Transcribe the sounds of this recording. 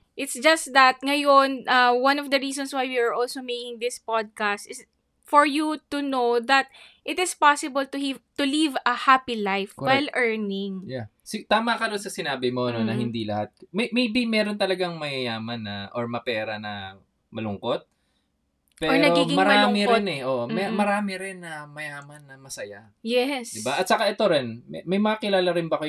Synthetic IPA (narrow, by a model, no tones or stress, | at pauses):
ʔɪt̪sd͡ʒɐst̪d̪ɐt̪̚ŋɐjonʔɐwɐnɔvd̪ɐɹiːsɔ̃nswajwiaɹʔɔlsomejkɪŋd̪ɪspad̪̚kast̪ɪs | fɔɹjut̪unowðɐt̪̚ | ʔɪt̪ɪspasɪbɐlt̪ʊit̪ʊlivɐhapilajfwɛjlʔɛɹnɪŋja | sɪt̪aːmɐkɐɾonsɐsɪnaːbɪmo̞ʔɐnonɐɦɪnd̪ilɐhat̪̚mɐjmɛjbimɛːɾo̞nt̪ɐlɐɡaŋmɐjɐjaːmɐnːɐʔoɹmɐpɛːɾɐnɐ | mɐlʊŋko̞t̪̚ | pɛoɹɾnɐɡoiɪmɐɾaːmɪɾɪnɛʔoːʔomɛmɐɾaːmɪɾɪnːɐmɐjaːmɐnːɐmɐsɐja | jɛsd̪ɪbaʔɐt̪̚sɐkaʔɛt̪o̞ɾɛnmmɐjmɐŋakɪlaːlɐɾɪnbɐko